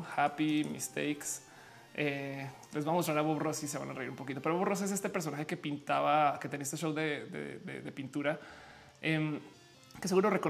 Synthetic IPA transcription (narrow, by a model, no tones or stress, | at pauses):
xapimḭst̪ḛjks | e | lezβamost̪ɾaɾaβoβrosis̬e̞βa̰nare̞iɾumpokit̪o̞peɾoβros̬e̞s̬e̞st̪epeɾs̬o̞naxe̞kepint̪aβaket̪e̞niaest̪eʃo̞wðeðḛðḛðe̞pint̪uɾa | em | kese̞ɣuɾo̞re̞ko̞